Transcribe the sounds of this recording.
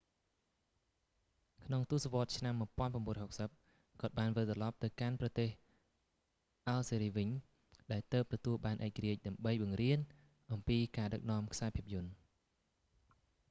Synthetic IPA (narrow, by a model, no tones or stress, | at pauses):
kʰnoŋt̪uəsaʋŏət̪̚t͡ɕʰnamːuəjpŏənpramɓuːnɾɔəhok̚səp̚ | kɔ̆ət̪̚ɓaːnʋɨlt̪rɑlɑp̚t̪ɨwkanprɑt̪eːh | ʔalseːɾiːʋɨɲ | ɗaɛlt̪əːp̚t̪ɔt̪uəlɓaːnʔaɛk̚ːaɾiəc̚ɗaəmɓəjɓɑŋriən | ʔɑmpiːkaːɗək̚nɔ̆əmkʰsaɛpʰiəp̚jʊ̆ən